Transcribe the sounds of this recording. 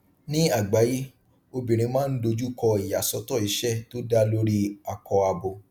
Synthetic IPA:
nĩ˦a˦˨ɡ͡ba˨˦ji˦ | o˧bĩ˨ɾ̃ĩ˧mãː˦n̩˦do˧d͡ʒu˦kɔ˧i˨ja̰˨sɔ˨˧˦tɔ˦˨i˨˦ʃɛ˦˨to˦da˦lo˦ɾi˦a˨kɔ˧a˧bo˧

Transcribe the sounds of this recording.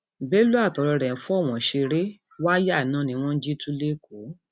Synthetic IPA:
bɛ˦lu˦a˦˨tɔ˨ɾɔ˧ɾɛ̃˨fũ˦ɔ˦˨w̃ɔ̃˨ʃe˧ɾe˦ | wa˦ja˦˨nã˦nĩ˧w̃ɔ̃˦n̩˦d͡ʒi˦tũ˦le˦ko˨˦

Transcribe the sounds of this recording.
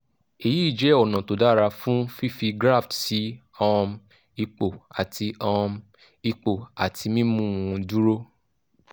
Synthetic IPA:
e˨ji˦i˦˨d͡ʒɛ˨˦ɔ˨nã˨to˨da˦˨ɾa˧fũ˦fi˦fi˧ɡɾa˦˨ftsi˨˦ | ɔ̃˧m | i˧k͡po˨a˨tʰi˧ɔ̃˧m | i˧k͡po˨a˨tʰi˧mĩ˦mũ˦˨ũ˧du˦ɾo˦

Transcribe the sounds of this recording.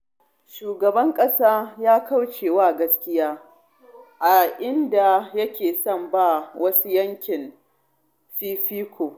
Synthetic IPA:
ʃuː˨ɡɐ˨bɐ˦ŋkʼɐ˦saː˦jaː˦ka˦wt͡ʃeː˨waː˦˨ɡɐ˦skʲɪ˦jaː˦ | ʔa˨ʔɪ˦nda˨jɐ˦kʲeː˨sɐ˦˨mba˦˨wɐ˦su˦jɐ˦ŋkʲɪ˨n | ɸiː˦ɸiː˦kʷʰoː˨

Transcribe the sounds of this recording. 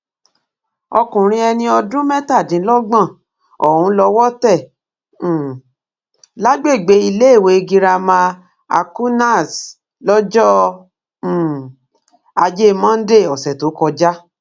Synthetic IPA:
ɔ˧kũ˨ɾ̃ĩ˧ɛ˧nĩ˧ɔ˧dũ˦mɛ˦ta˦˨dĩ˨˦lɔ˦ɡ͡bã˦˨ | ɔ˨hũ˨˦lɔ˧wɔ˦tɛ˦˨˦ | la˦ɡ͡be˦˨ɡ͡be˨˦i˧le˦e˦˨we˨˦˧ɡi˧ɾa˧mã˧ | a̰˧ku˦na˦˨s | lɔ˦d͡ʒɔ̃˦˨ | a˧d͡ʒe˦mã˦n̩˦de˦˨ɔ˨sɛ˨to˨˦kɔ˧d͡ʒa˦

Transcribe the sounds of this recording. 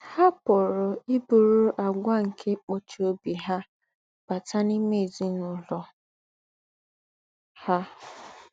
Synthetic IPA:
ha˦pʊ˨ɾʊ˨i˦bu˨ɾʊ˦ʔa˨ɡʷa˦ŋ̩˨kʰe˦k͡po˦t͡ʃi˨˦o˦bi˨ɦa˦ | b̥a˨ta˦ni˦me˦˨zi˦nʊ˨lɔ˨ | ha˦

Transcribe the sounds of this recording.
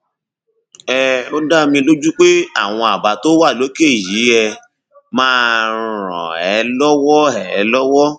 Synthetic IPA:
ɛ˦˨o˦da˦mĩ˧lo˦d͡ʒu˦k͡pe˦a˦˨w̃ɔ̃˧a˨ba˨to˦wa˦˨lo˨˦ke˦˨ji˨˦ɛ˧ | mãː˦˧ɾ̃ɔ̰̃˨ɛ˨˦lɔ˦wɔ˦ɛ˨ɛ˨˦lɔ˦wɔ˦

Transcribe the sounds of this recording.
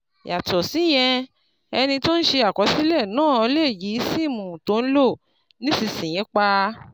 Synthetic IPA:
ja˨tɔ˨si˨˦j̃ɛ̃˧ | ɛ˧nĩ˧to˦n̩˦ʃe˧a˨kɔ˨˦si˦lɛ˦˨nãː˦˨ɔ˧le˦˨ji˨˦si˦˨mũ˨to˨˦n̩˦lo˦˨ | nĩ˦si˧˨sĩ˨j̃ɛ̃˨˦k͡pa˧

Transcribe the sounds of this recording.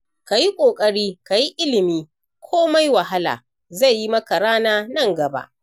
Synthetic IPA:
ka˨ji˦kʷʼoː˨kʼɐ˦ɽiː˦ka˨ji˦ʔɪ˦lɪ˨miː˦ | kʷʰoː˦ma˦jwɐ˨ɦa˦la̰ː˨ | za˦˨jːi˦mɐ˦ka˨ɾaː˦naː˦nɐ˦˨ŋɡɐ˨ba̰˦ʔ

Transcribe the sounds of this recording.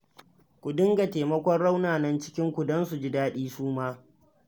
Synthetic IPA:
kʷu˨dɪ˦ŋɡa˨teː˨mɐ˦kʷɔ˦rɽa˦wnaː˨nɐ˦nt͡ʃɪ̥˦kʲɪ˦ŋkʷu˨dɔ˦nsu˨d͡ʒɪ˦daː˦ɗiː˦suː˦maː˦

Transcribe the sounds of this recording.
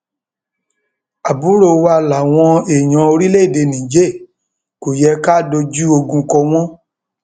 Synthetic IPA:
a˨bu˨˦ɾo˧˨wa˧la˨w̃ɔ̃˧e˨j̃ã˨˦o˧ɾi˦le˦i˦˨de˧˨nĩ˨d͡ʒe˦˨ | ko˨jɛ˧ka˦do˧d͡ʒu˦o˧ɡũ˧kɔ˧w̃ɔ̃˦

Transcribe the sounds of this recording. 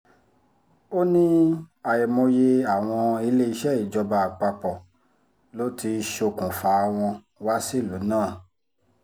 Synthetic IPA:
o˦nĩ˦a˨jɛ˨mõ˧je˧a˦˨w̃ɔ̃˧i˧˦le˦i˧ʃɛ˦˨i˨d͡ʒɔ˧ba˧˨k͡pa˧k͡pɔ˨ | lo˨˦tʰi˧ʃo˧˨kũ˨fa˨˦˧w̃ɔ̃˧ | wa˦si˦˨lu˨˦nãː˦˨

